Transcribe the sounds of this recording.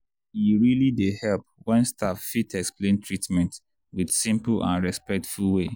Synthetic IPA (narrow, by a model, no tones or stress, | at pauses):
jiɹilidehɛlp̚wɛ̃nstʰaffitʰɛksplẽntʰɹitmɛ̃nt | widsĩmplã̰nɹɛspɛk̚tfulˠwe